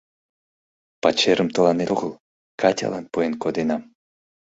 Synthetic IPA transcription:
pat͡ɕeɾʔəmt̪ə̆lɑnetoɣəlˠ | kʰɑtʲa̰lɑnpoenkod̪enɑm

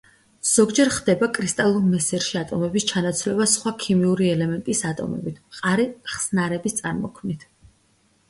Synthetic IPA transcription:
z̥ɔɡd͡ʒɛɾχd̪ɛbakʼɾist̪ʼalˠuɾmɛsɛɾʃiat̪ʼɔmɛbist͡ʃʰanat̪sʰvlɛbasχwakʰimiuɾiɛlɛmɛnt̪ʼisat̪ʼɔ̰mɛ̰bit̪ʰqʼaɾiχsnaɾɛbist̪sʼaɾmɔ̰kʰmnit̪ʰ

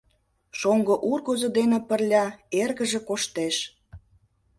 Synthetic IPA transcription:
ʃoŋɡoʔurɣozod̪enĕpərlʲɑerɣə̆ʒĕkoʃt̪eʃ

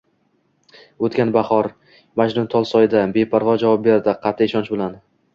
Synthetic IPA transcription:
ot̪kʲanbaχɒɾ | mad͡ʒlʊnt̪ʰɒlˠsɒjɪd̪abe̞pʰaɾʁɒd͡ʒavɒp̚be̞ɾd̪ɪqʰɑt̪ʰːɪɪʃɒnt͡ʃbɪlan

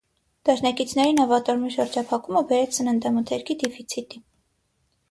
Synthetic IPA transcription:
d̪̥ɑʃnɑkit͡sʰnɛɾinɔvɑt̪ɔɾmiʃəɾd͡ʒɑpʰɑkuməbɛɾɛt͡sʰsənənd̪ɛmut̪ʰɛɾkʰid̪ɛfit͡sʰit̪i

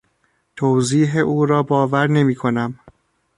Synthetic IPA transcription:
t̪ʰowziːɦeʔuːɾɒːbɒːvæɾne̞miːkʰo̞næm

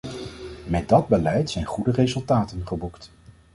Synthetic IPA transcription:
mɛt̚dɑd̚bəlɛjtsɛjnχudərezɵlˠtaːtənχəbukt

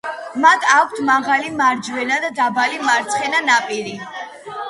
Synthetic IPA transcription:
mat̪ʰakʷʰt̪ʰmaʁalimaɾd͡ʒwɛnad̪ad̪abalimaɾt̪sʰχɛnanapʼiɾi

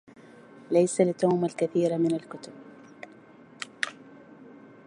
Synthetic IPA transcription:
lajsalɪt̪oːmalkaθiːɾmɪnalkʊt̪ʊb

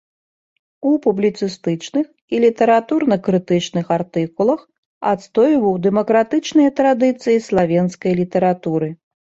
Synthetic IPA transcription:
upublʲit̪sɨst̪ɨt͡ʂnɨx | ilʲit̪ɛɾat̪urnɐkɾɨt̪ɨt͡ʂnɨxart̪ɨkulˠɐx | a̰t̪st̪ɔjvɐwd̪ɛmɐkɾat̪ɨt͡ʂnɨjɐt̪ɾad̪ɨt̪sɨjislˠavʲɛnskɐjlʲit̪ɐɾat̪uɾɨ

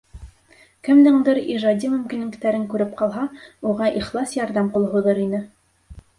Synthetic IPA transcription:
kɘmd̪ɘ̆ɴd̪ɤɾiʒɑd̪ʲimɵ̆mkinɘ̆kt̪æɾɘŋkʉɾɘp̚qɑlˠɦɑuʁɑʔiχlˠɑsjɑɾðɑmqulˠɦuðɤɾinɘ

